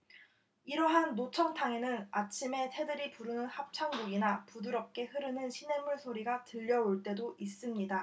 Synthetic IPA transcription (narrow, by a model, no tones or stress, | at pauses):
iɾʌɦanːot͡ɕʰʌŋtʰaŋe̞nɯnat͡ɕʰime̞tʰe̞dɯɾipuɾɯnɯnhap̚t͡ɕʰaŋbuɡinapuduɾʌp̚k͈e̞hɯɾɯnɯnɕʰinemuɭsʰoɾiɡatɯʎːʌoɭt͈e̞doʔis͈ɯmɲida